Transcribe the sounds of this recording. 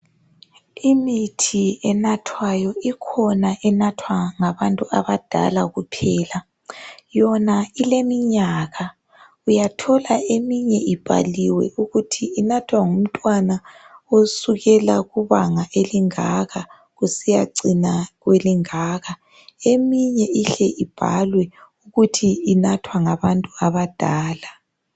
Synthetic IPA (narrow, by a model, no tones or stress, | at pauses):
imitʰiɛnatʰwajɔikʰɔnaʔɛnatʰwaŋaβantʼuaβad̥ʱa̰laɣupʰɛːla | jɔnailemiɲaɣa | ujatʰɔlaemiɲɛʔib̥ʱa̰liwɛ̰ʔuɣutʰiːnatʰwaŋum̩tʼwanaosuɣɛlaɣuβaŋaʔeliŋaɣa | ɣusijaǀinaɣweliŋaːɣa | emiɲɛiɬɛʔib̥ʱa̰lwɛuɣutʰiːnatʰwaŋaβantʼuaβad̥ʱaːla